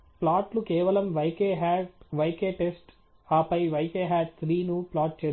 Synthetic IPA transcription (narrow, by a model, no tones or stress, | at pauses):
plaːʈlukɛːʋɐlɐmʋɐjkeːɦaːʈʋɐjkeːʈesʈ | aːpɐjʋɐjkeːɦaːʈ̚t̪ʰɾiːnuplaːʈ̚t͡ʃeː